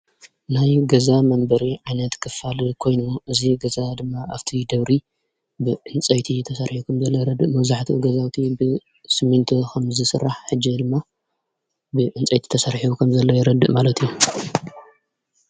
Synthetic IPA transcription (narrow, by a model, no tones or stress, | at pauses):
najɡɐzamɐmbɐɾiʕajnɐt̪kʰɨfalikʰo̞jnuʔɨziɡɐzad̪ɨmːaʔaβt̪ʰid̪ɐβɾi | bɨʕɨnt͡sʼɐjt̪ʰit̪ʰɐsɐɾħiukʰɐmzɐlːojɪɾɐd̪ːɨʔmɐβzaħt̪ʰḭʔɡɐzawt̪ʰibɨ | sɨmːɨnt̪ʰokʰɐmzɨsɨrːaħħɨd͡ʒːid̪ɨmːa | bɨʕɨnt͡sʼɐjt̪ʰi̥t̪ʰɐsɐɾħiukʰɐmzɐlːojɪɾɐd̪ɨʔmalɐt̪ʰijːu